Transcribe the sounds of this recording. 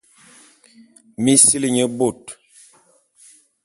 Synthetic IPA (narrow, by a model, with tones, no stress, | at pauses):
mi˦si˦li˦ɲə˦bo˦˨t